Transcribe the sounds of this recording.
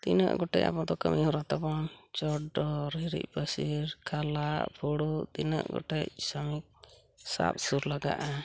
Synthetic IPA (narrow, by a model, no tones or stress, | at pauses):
t̪ḭnə̰ʔɡɔʈɛ̰ca̰pɔd̪ɔkə̰miuɾat̪abɔnt͡ʃɔɖɔɾɦiɾḭc̚pəsiɾkʰalaʔpʰuɽud̪inə̰ʔɡɔ̰ʈɛcsəmik̚ | sa̰p̚suɾlaɡa̰ʔa